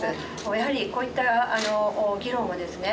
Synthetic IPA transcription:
moːjaɦaɾʲiko̞ːit̪ːaano̞ːɡʲiɾõ̞m̃ːod̪e̞sɨne̞

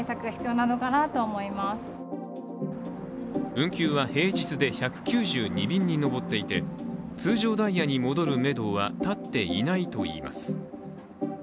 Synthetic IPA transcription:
esakɯaçi̥t͡sɨjo̞ːnano̞kanat̪o̞ːmo̞imasɨ̥ | ɯ̟̃ŋkʲɨːβahe̞ːd͡ʑit͡sɨd̪e̞çakɯ̟̥kʲɨːʑɨːɲ̟ibʲĩɲ̟ːino̞bo̞t̪ːe̞it̪e̞t͡sɨːʑo̞ːd̪aijaɲ̟imo̞d̪o̞ɾɯ̟me̞d̪o̞ːβa̰t̪at̪ːe̞ḭnait̪o̞ḭːma̰sɨ̥

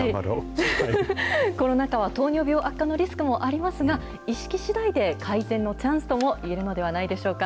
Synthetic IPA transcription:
ai | ko̞ɾo̞nakaβ̞at̪o̞ːɲ̟o̞ːbʲo̞ːʔakːano̞ɾʲisɨ̥kɯ̟mo̞ʔaɾʲimasɨɡa | iɕi̥kʲiɕid̪aid̪e̞kʰaizẽ̞nːo̞t͡ɕãɰ̃sɨ̥t̪o̞mo̞ʔie̞ɾɯ̟no̞d̪e̞β̞anaid̪e̞ɕo̞ːka

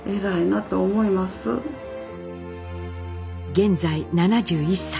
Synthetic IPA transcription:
e̞ɾainat̪o̞ːmo̞imasɨ̰ | ɡẽ̞nd͡zainanad͡ʑɨːisːa

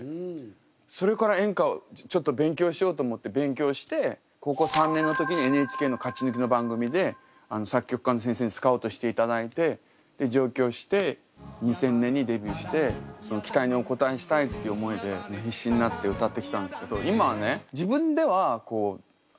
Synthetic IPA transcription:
so̞ɾe̞kaɾaẽ̞ŋkaot͡ɕo̞t̪ːo̞bẽ̞ŋk̬ʲo̞ːɕijo̞ːt̪oːmo̞t̪ːe̞bẽ̞ŋk̬ʲo̞ːɕi̥t̪e̞ | ko̞ko̞sãnːẽnːot̪o̞kʲiɲ̟ie̞nɯet͡ɕi̥ke̞ːno̞kat͡ɕinɯ̟k̬ʲino̞bãŋɡɯ̟mʲid̪e̞ | anosakʲːo̞kɯ̥kanos̬ẽ̞s̬e̞ːɲ̟isɨ̥kaoːt̪o̞ɕi̥t̪e̞it̪ad̪ait̪e̞ | d̪̥e̞d͡ʑo̞ːkʲo̞ːɕi̥t̪e̞ | ɲ̟isẽ̞nːẽ̞ɲ̟ːid̪e̞bʲɨɕi̥t̪e̞so̞no̞kʲi̥t̪aiɲ̟io̞ko̞t̪aeɕi̥t̪ait̪ːe̞iɯ̟omo̞id̪e̞meçʲiɕːĩɲ̟inat̪ːe̞ɯ̟t̪at̪ːe̞kʲi̥t̪ãnd̪esɨ̥ke̞d̪o̞imaβane̞d͡ʑibɯ̟̃nd̪e̞β̞ako̞ː

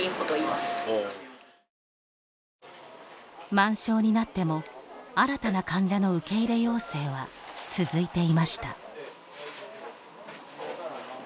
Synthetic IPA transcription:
iot̪o | mãɰ̃ɕo̞ːɲ̟inat̪ːe̞mo̞aɾat̪anakãɲ̟d͡ʑano̞ɯ̟ke̞iɾe̞jo̞ːse̞ːβ̞at͡sɨzɨit̪e̞imaɕi̥t̪a̰

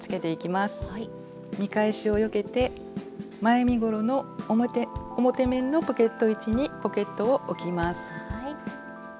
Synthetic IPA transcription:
t͡sɨ̥ke̞t̪e̞ikʲimasɨ̥ | mʲikaeɕio̞jo̞ke̞t̪e̞ | maemʲiɡo̞ɾo̞no̞ | omo̞t̪e̞mẽ̞nːo̞po̞ke̞t̪ːo̞it͡ɕiɲ̟ipo̞ke̞t̪ːooʔokʲimasɨ̥

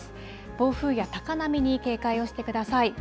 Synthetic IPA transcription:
b̥o̞ːɸɯ̟ːjat̪akanamʲiɲ̟ike̞ːkaio̞ɕi̥t̪e̞kɯ̟d̪asai

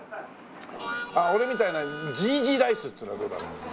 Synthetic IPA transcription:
ao̞ɾe̞mʲit̪ainad͡ʑiːd͡ʑiːɾaisɨt̪ːɨɾad̪o̞ːd̪a̰ɾo̰

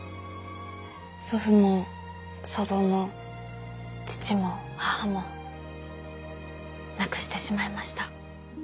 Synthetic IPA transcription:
soɸɯ̟mo | soɾono | t͡ɕi̥t͡ɕimo̞hahamo̞ | nakɯ̟̥ɕi̥t̪e̞ɕimaimaɕi̥t̪a

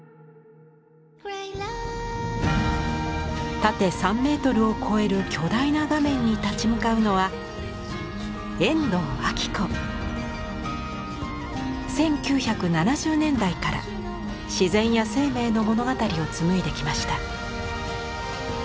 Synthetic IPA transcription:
t̪at̪e̞sãmːe̞ːt̪o̞ɾɯ̟o̞kʰo̞e̞ɾɯ̟kʲo̞d̪ainaɡamẽ̞ɲ̟ːit̪at͡ɕimɯ̟kaɯ̟no̞βa | ẽ̞nd̪o̞ːakʲi̥kɯ | sẽ̞ŋkʲɨːçakɯ̟nanaʑɨːnẽ̞nd̪aikaɾa̰ | ɕizẽ̞ɰ̃jase̞ːme̞ːno̞mo̞no̞ɡat̪aɾʲio̞t͡sɨmɯ̟id̪e̞kʲimaɕi̥t̪a

